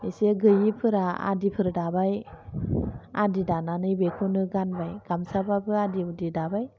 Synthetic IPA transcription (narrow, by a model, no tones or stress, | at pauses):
iseɡɯjipʰɯɾaa̰dipʰɯɾdabaj | a̰didananɯjbekʰɯnɯɡanbajɡ̥amsababɯadiudidabaj